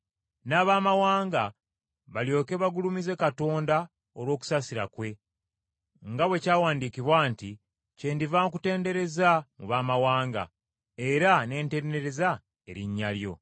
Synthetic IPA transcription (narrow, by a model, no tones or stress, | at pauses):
naːβaːmawaːŋɡa | βaljo̞ːke̞βaɡulumize̞kato̞ːnda | olwo̞ːku̥sasiɾa̰kwe̞ | ŋɡawe̞caːwaːndikiβwaːnti | ce̞ːndivamk̬ute̞ːnde̞ɾe̞zamuβaːmawaːŋɡa̰ | e̞ɾane̞ːnte̞ːnde̞ɾe̞za | e̞ɾiɲːaljo̞̰